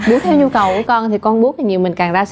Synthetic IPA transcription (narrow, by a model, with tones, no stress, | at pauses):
ɓu˨˦t̪ʰɛ˧wɲu˧kə˨˩wku˧˩˦əkɔ˧nt̪ʰi˨˩kɔ˧nɓu˨˦˥t̪i˨˩ɲi˨˩əwmï˨˩ŋ̟kaː˨˩ŋzaː˧s